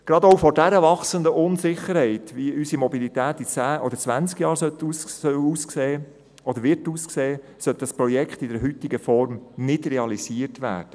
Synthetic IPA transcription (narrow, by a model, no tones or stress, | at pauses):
ɡ̥ɾɑdowfɔɾdæɾəʋɑχsənd̪əʔʊnsɪχːəɾhɛɪt̪ʋiysimɔbilit̪æːt̪ːit͡sæːʔɔd̥̪əɾt͡sʋænt͡skjɑːɾsœt̪ussœwuːskseː | ɔd̪əɾʋɪɾtuːskseː | sœltdɑspɾɔjɛkʰχt̪ɪdɛɾɦyt̪iɡəfɔɾmnɪdɾɛɑlisiəɾtʋæ̰ːɾd̥ə